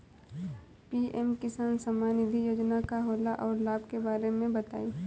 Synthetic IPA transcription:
piːʔɛmkɪsaːnsɐmaːnɪd̪ʱijoːd͡ʒnakaɦoːlaʔɔːɾlaːbkebaːɾemẽbɐt̪a̰ːiː

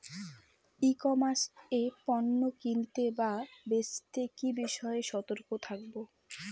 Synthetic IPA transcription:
ikɔmaɾsepɔnːokint̪ebabest̪ekibiʃɔeeʃɔt̪oɾkot̪ʰak̚bo

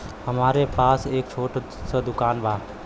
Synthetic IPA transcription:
həmaːɾepaːseːk̚t͡ʃʰoːʈ | səd̪ʊkaːnbʱaː

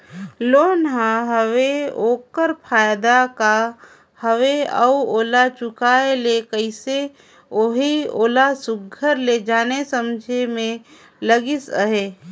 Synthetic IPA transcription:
loːnɦãɦəʋeoːkəɾpʰaːjd̪aka | həʋeə̰uoːlat͡ʃʊkaːelekəɪse | oːɦio̰ːlasʊɡʱəɾled͡ʒaːnesəmd͡ʒʱemẽ | ləɡɪsəɦeː

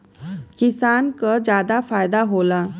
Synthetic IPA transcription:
kisankəd͡ʑad̪afajd̪aɦola

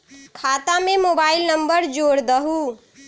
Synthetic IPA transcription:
kʰat̪amemobaːilnəmbəɾd͡ʒoɽd̪əɦu

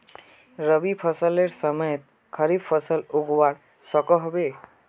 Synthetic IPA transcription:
ɾəbipʰʌsəleɾsəmʌjət̪̚ | kʰʌɾibpʰʌsəluɡwaɾ | sɔkɔɦɔbe

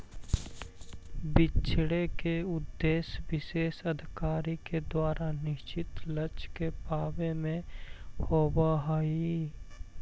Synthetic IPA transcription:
bɪt͡ʃʰɽekeʊd̪ːeːswɪʃeːsəd̪ʱɪkaːɾiked̪waːɾʔanɪʃt͡ʃɪt̪lət͡ʃkepaːbemẽhoːbaɦai

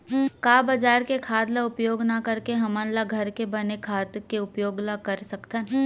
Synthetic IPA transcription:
kaːbɐd͡ʒaːɾkekʰaːd̪laʊpjoːɡnakɐɾkeɦɐmə̃nlaɡʱɐɾkebɐnekʰaːd̪keʊpjoːɡlakɐɾsɐkt̪ən

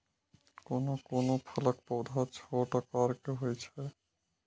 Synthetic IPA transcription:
konokonopʰɔlak̚pɔwd̪ʱat͡ɕʰɔʈakaɾkeɦojt͡ɕʰe

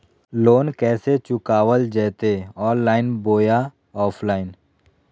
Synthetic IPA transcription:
loːnkɛːset͡ʃʊkaːʋəld͡ʒɛːt̪eɔːnːaːɪnboːja | ɔːpʰlaːɪn

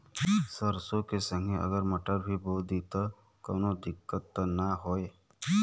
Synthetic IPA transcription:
səɾsokesə̃ŋɡeə̰ɡəɾməʈəɾbʱiboːd̪it̪a | koːnod̪ɪkːət̪ːnaɦoːe

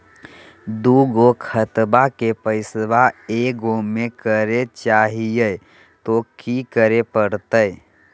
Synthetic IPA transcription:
d̪uɡokʰət̪bakepəɪsbaeɡoːekəɾet͡ʃaːɦijə | t̪okikəɾepəɾt̪əj

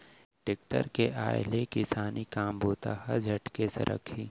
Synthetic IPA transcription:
ʈek̚ʈə̰ɾkeʔa̰ːjlekɪsaːnikaːmbʱoːt̪ahɛd͡ʒʱɐʈkesɐ̰ɾʔə̰kʰiː

